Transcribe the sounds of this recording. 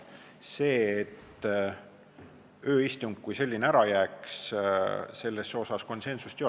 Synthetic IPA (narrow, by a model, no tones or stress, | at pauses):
se̞ːet̪ː | ø̞ːist̪uŋɡ̥̚kujse̞lʲːineæɾɑjæːks | se̞lːe̞sːo̞sɑsko̞nse̞nsust̪io